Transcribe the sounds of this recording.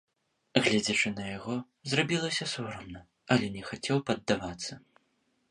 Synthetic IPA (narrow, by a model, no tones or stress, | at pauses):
ɣlʲad͡zʲɐt͡ʂɨnɐjaɣɔ | zrabʲilˠɐsʲɐsuɾɐmnɐ | ɐlʲɛnʲɛxat͡sʲɛwpɐd̪ːavat̪sːɐ